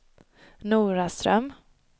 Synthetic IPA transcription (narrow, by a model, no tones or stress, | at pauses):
nuːɾast̪ɾœ̰m